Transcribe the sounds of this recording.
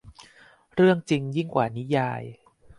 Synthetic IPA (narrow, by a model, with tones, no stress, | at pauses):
ɾɯ˥˩əŋt͡ɕi˧ŋji˥˩ŋkwaː˨˩ni˦˥jaː˧j